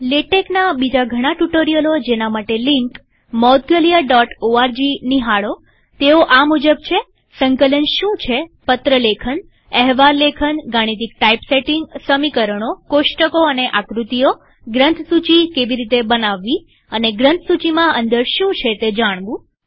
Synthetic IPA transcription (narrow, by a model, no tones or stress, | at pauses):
leʈeknabid͡ʒaɡʱəɽ̃aʈuʈoɾijəlod͡ʒenamaʈeliŋk | mɔd̪̚ɡəlijaɖɔʈoaɾd͡ʒiniɦaɭo | t̪eoʔamud͡ʒəbt͡ʃʰe | səŋkələnʃũt͡ʃʰepət̪ɾəlekʰən | ɛɦʋaɾlekʰənɡaɽ̃it̪̬ik̚ʈaipseʈiŋɡsəmikəɾəɳ̃okoʃʈəkoəneʔakɾut̪ijo | ɡɾə̃nt̪ʰsut͡ʃikeʋiɾit̪ebənaʋːi | əneɡɾənt̪ʰsut͡ʃimãənd̪əɾʃũt͡ʃʰet̪ed͡ʒaɽ̃ʋũ